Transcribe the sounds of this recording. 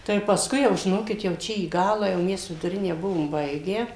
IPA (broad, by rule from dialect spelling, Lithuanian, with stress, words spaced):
tɐɪ pɐsˈkʊɪ jɛʊ ʒʲɪˈnoːkʲɪt jɛʊ ˈt͡ʃʲɛ iː ˈɡɑːlˠɑː jɛʊ ˈmʲɛs ʋʲɪdʊˈrʲɪnʲæː ˈbʊʋoːm ˈbɐɪɡʲæː